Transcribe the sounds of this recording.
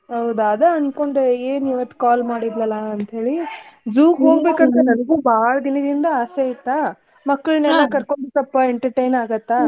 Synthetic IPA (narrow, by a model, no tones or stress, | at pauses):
ɦɐwd̪ɐd̪eɐnko̞ɳɖeeːniʋɐt̪ːu̥kaːlmaːɽid̪lɐlːɐɐnt̪ɦe̞ːɭid͡ʒuːɡɦoːɡbeːkant̪ɐnɐnɐɡuːbaːɭɐd̪inɐd̪ind̪ɐaːseit̪ːa | mɐkːɐɭneːnekɐɾko̞ɳbetɐpːɐeɳʈɐɾʈɐjnaːɡɐt̪ːa